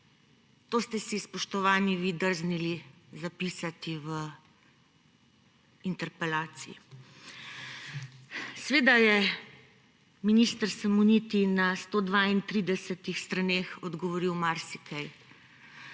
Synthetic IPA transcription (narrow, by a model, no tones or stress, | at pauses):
t̪oːst̪ɛsispɔʃt̪ɔʋaːniʋiːd̪əɾznilizapiːsat̪iʋə | int̪ɛɾpɛlaːt̪sii | sʋeːd̪ajɛ | minist̪əɾsamunit̪inast̪oːd̪ʋaint̪ɾid̪ɛsɛt̪ixst̪ɾaneːxɔd̪ɡɔʋɔɾiwmaɾsikɛj